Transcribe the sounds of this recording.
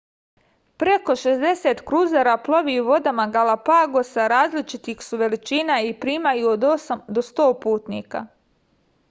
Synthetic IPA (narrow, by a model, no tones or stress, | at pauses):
pɾe̞ko̞ʃezd̪e̞se̞ːt̪kɾuzaɾaplˠo̞ʋiuʋo̞d̪amaɡalapaːɡosaɾaːzlit͡ʃit̪ixsuʋe̞lit͡ʃiːnaipɾiːmajuod̪osamd̪o̞st̪o̞ːpuːt̪nḭːka̰